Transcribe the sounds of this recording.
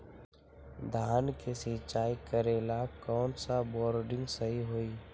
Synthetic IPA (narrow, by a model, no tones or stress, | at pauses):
d̪ʱaːnkesɪt͡ʃaːikəɾeːlakɔːnsabɔːɾɖɪ̃ŋɡsəɦiɦoːiː